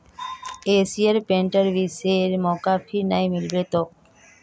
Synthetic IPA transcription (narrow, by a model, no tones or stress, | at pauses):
esiəɾpeɳʈəɾʋiseɾmɔkapʰinajmilbet̪ɔk̚